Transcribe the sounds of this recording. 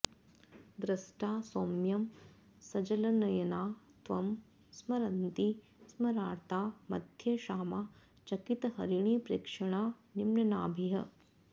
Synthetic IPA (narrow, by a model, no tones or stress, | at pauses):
d̪ɾɐsʈaːsoːmjɐm | sɐd͡ʒɐlɐnɐjɐnaːt̪ʋɐm | smɐɾɐnt̪i | smɐɾaːɾt̪aːmɐ̰d̪ʱjɐʃaːmaː | t͡ʃɐkit̪ɐɦɐ̰ɾiɳ̃iːpɾḛːkʂɐɳaːnimnɐnaːbʱiɦɐ̰